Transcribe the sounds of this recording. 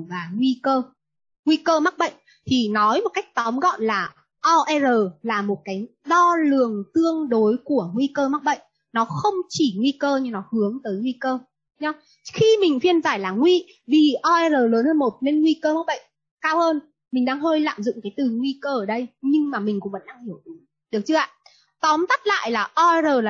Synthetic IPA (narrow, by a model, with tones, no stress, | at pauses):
vaː˨˩ŋwi˧kəː˧ | ŋwi˧kəː˧ma˦˥k̚ɓə̰˧˨jŋ̟ | t̪ʰi˨˩nɔ˨˦jmo˨˩t̚ka˦˥jk̚t̪ɔ˨˦mɣɔ̰˧˨nlaː˨˩ | ʔɔ˧ʔɛ˧zəː˨˩laː˨˩mo˨˩t̚kaː˨˦jɗɔ˧lɨ˨˩əŋt̪ɨ˧əŋɗo˨˦jku˧˩əŋwi˧kəː˧ma˦˥k̚ɓə̰˧˨jŋ̟ | nɔ˨˦xə˧wŋ͡mt͡ɕi˧˩ŋwi˧kəː˧ɲɨ˧nɔ˨˦hɨ˨˦əŋt̪əː˨˦jŋwi˧kəː˧ | ɲɔ˨˦ | xi˧mï˨˩ŋ̟fi˧ənzaː˧˩jlaː˨˩ŋwi˧ | vi˨˩ʔɔ˧ʔɛ˧zəː˨˩ləː˨˦nhəː˧nmo˨˩t̚ne˧nŋwi˧kəː˧ma˦˥ɓə̰˧˨jŋ | kaː˧wʔəː˧n | mï˨˩ŋ̟ɗaː˧ŋɦəː˧jla̰ː˧˨mzʊ̰˧˨ŋ͡mkaː˨˦jt̪ɨ˨˩ŋwi˧kəː˧ʔəː˨˩ɗə˧jɲɨ˧ŋmaː˨˩mi˨˩ŋ̟kʊ̰˧˥ŋ͡mvə̰˧˥nɗaː˧ŋhi˧˩əwʔi˨˦ŋ | ɗɨ˨˩ək̚t͡ɕɨ˧əʔa̰ː˧˨ | t̪ɔ˨˦mt̪ə˦˥t̚la̰ː˧˨jlaː˨˩ʔɔ˧ʔɛ˧zəː˨˩aː˨˩